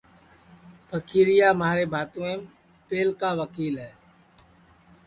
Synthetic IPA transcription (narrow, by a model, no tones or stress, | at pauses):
pʰəkiːɾɪjaːmaːɾeːbʱaːt̪ũːẽːm | peːlkaːʋəkiːlɦɛː